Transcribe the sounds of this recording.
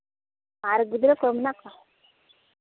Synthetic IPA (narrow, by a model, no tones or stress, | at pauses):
baɾɡud̪ɾəkomnaka